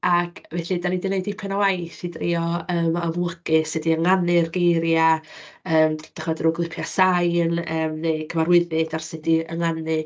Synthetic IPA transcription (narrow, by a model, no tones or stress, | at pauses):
akʰvɛɬidanidɪnejdɪpʰɛnawajθidriɔəːməmlˠəɡ̥ɨsɪdiəŋanɨrɡejɾja | əːmd̥aχmadruɡlˠɪpʰjasajnəːmnejkʰəvaɾwɪðɪd̥arsɪdiəŋanɨ